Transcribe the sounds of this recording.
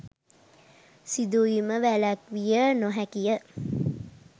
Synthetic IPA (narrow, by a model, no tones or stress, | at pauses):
sid̪uiməʋælækʋijənoɦækijə